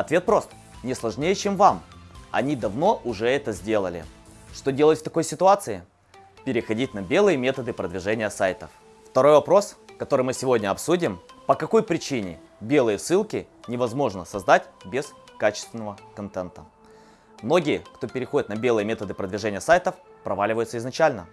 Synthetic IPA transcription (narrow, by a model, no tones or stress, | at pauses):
ɐt̪vʲe̞t̪̚pɾo̞st̪ə̥ | nʲɪslˠɐʐnʲejət͡ɕemvamɐ̰nʲid̪ɐvno̞ʔʊʐɛɛt̪əzʲdʲe̞lˠəlʲɪ̰ʂt̪o̞dʲelˠətʲft̪ɐko̞jsʲɪt̪ʊat̪sɨɪ | pʲɪɾʲɪxɐdʲit̚ʲnɐbʲe̞lˠɨjəmʲe̞t̪əd̪ɨpɾəd̪vʲɪʐɛnʲɪjəsajt̪əf | ft̪ɐɾo̞jvɐpɾo̞skɐt̪o̞ɾɨjmɨsʲɪvo̞dʲnʲəɐpsudʲɪmpəkɐko̞jpɾʲɪt͡ɕinʲɪ̰ | bʲe̞lˠɨjəsɨlˠkʲɪ | nʲɪvɐzmo̞ʐnəsɐzd̪atʲbʲɪskat͡ɕɪ̥st̪vʲɪnəvəkɐnt̪ɛnt̪ə̰ | mno̞ɡʲɪjəkt̪o̞pʲɪɾʲɪxodʲɪt̪nɐbʲe̞lˠɨjəmʲe̞t̪əd̪ɨpɾəd̪vʲɪʐɛnʲɪjəsajt̪əf | pɾɐvalʲɪvəjʊt̪səɪznɐt͡ɕælʲnə